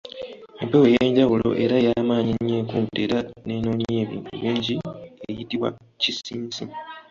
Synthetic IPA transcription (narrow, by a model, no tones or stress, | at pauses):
empewejeːɲɟawulo̞̰ʔe̞ɾajamaːɲiɲːeːkuːteɾane̞noːɲeːβḭːntṵβiːɲɟiejitiβwa̰ | cisiːnsi